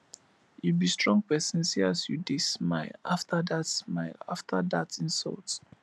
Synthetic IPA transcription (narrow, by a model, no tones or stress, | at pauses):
jubistɹɔ̃ŋɡ̚pɛsə̃nsiasjudesmaɪlaftʰadatsmaɪla̰ftʰadatɪ̃nsɔ̰lt